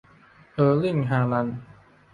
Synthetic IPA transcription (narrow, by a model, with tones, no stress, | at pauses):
ʔɤː˧li˥˩ŋɦaː˧la˧n